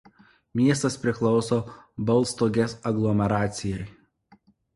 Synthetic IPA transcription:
mʲiɛst̪ɐspʲɾʲɪklˠɒʊsoːbɐlˠˑst̪oːɡʲɛsɐɡlˠɔmʲɛɾɑːt̪sʲɪjɛɪ

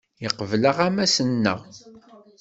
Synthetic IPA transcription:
jəqəvləʁæmæsənːə̰ʁ

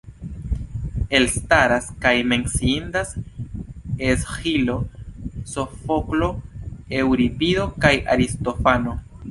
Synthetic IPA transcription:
e̞lstaɾaskajme̞nsiindas | eshilo̞sofo̞klo̞e̞wɾipiðo̞kaja̰ɾisto̞fano̞

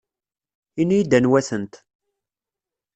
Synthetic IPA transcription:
inijid̪ænwæθənt̪

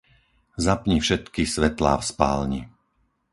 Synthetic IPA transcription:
zapɲifʃɛt̪kisʋɛt̪la̰ːfspa̰ːlɲi

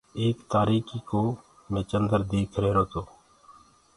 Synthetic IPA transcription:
eːkt̪aːɾiːkʰiːkoː | mẽːt͡ʃənd̪əɾd̪eːkʰɾeːɾoːt̪oː

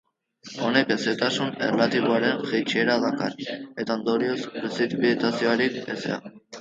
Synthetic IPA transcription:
o̞ne̞keset̪asunḛrlat̪iβ̞oaɾe̞nʝejt͡ʃieɾaðaka̰re̞t̪aond̪oɾio̞spɾesit̪βilit̪asioaɾik̚esḛa̰

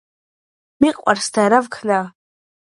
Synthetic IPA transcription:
miqʼa̰rstʰajɾavkʰna

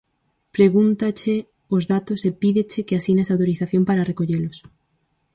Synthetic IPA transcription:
pɾeɣunt̪at͡ʃe | ozðat̪osepiðet͡ʃekeasinasawt̪oɾiθaθjõmpaɾarekoʎelos

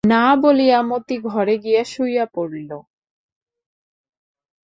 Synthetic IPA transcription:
nabolijamot̪iɡʱɔɾeɡijaʃujapoɽilo

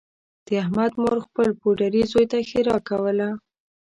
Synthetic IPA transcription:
d̪̥əahmad̪moɾxpəlpoɖaɾizojt̪axɪɾɑkawəla

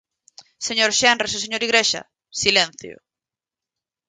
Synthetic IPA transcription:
seɲoɾʃɛnresoseɲoɾiɣɾeʃa̰ | silẽn̟θjo̰

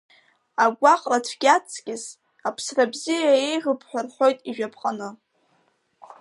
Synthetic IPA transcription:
aɡʷaqʼratʷʰɡʲat͡sʰʼɡʲʼɪs | apʰsrabzijaejʁɨpʰħʷᶣarħʷᶣo̞jtʼiʒᶣapʰqʼanɨ

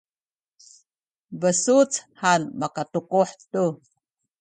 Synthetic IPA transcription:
bəsut͡shanmakatukuħtu

